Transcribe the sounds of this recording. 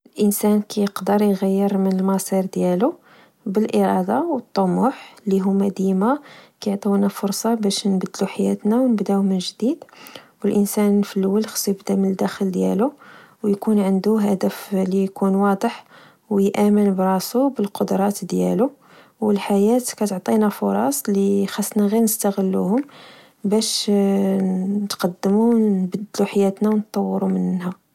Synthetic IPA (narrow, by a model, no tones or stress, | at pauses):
əlʔənsænkæjəqd̪əɾˤjɣæjːəɾmənəlmɑsˤiɾd̪jælu | bəlʔəɾˤɑd̪ɑwət̪ˤːomuħliɦʊmːæd̪imækæjʕt̪ˤɑwnæfʊɾsˤɑbæʃnbəd̪luħajæt̪næwnəbd̪æwmənʒd̪id̪wəlʔənsænːfəlːwəlxsˤibd̪æmənəd̪ːæxəld̪jæ̰luwjkunʕənd̪uɦæd̪əflijkunwɑd̪ˤəħ | wjʔæmənbɾˤɑsubəlqod̪ɾˤɑt̪d̪jæ̰lu | wəlħajæt̪kæt̪ʕt̪ˤinæfʊɾˤɑ̰sˤlixɑsˤːnæɣiɾnəst̪æɣəlːṵhʊm | bæʃ | t̪qɑd̪ːəmunbəd̪ːluħajæt̪næwnt̪ˤːɑwːɾumənhæ